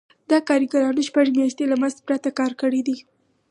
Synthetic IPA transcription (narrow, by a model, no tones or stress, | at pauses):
d̪̥ɑkɑɾiɡaɾɑnuʃpaʒemjɑʃt̪elamazpɾat̪akɑɾkəɽid̪i